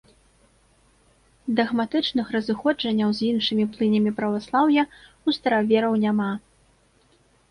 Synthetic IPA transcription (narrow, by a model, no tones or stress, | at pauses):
d̪ɐɣmat̪ɨt͡ʂnɨxrɐzɨxɔd͡ʐɐnʲːɐwzʲinʂɨmʲiplˠɨnʲɐmʲipɾɐvaslˠawjɐ | ust̪ɐɾavʲɛɾɐwnʲama